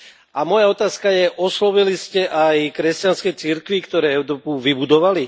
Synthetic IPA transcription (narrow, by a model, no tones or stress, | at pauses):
amɔjaɔt̪aːskajɛʔɔslɔʋiliscɛʔajkɾɛscanskɛjt͡siɾkʋikt̪ɔɾɛːɛʊɾɔːpuʋibud̪ɔʋali